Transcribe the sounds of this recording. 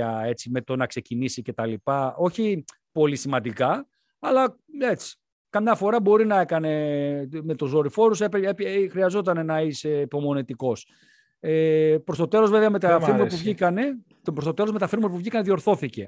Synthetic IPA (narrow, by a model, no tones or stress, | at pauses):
ɐe̞t͡sime̞t̪o̞nɐkse̞cinisice̞t̪ɐlipɐo̞çi | po̞lisimɐnd̪ikɐ | ɐlɐ | e̞t͡si̥ | kɐmɲɐfo̞ɾɐbo̞ɾinɐe̞kɐne̞me̞t̪uzo̞ɾifo̞ɾusepeepxɾiɐzo̞t̪ɐne̞nɐise̞ipo̞mo̞nit̪iko̞s | epɾost̪o̞t̪e̞lo̞zve̞veɐmet̪ɐfiɾmumɐpuvʝikɐne̞ | pɾost̪t̪e̞lo̞zme̞t̪ɐfiɾmpuvʝikɐneðio̞ɾθo̞θice̞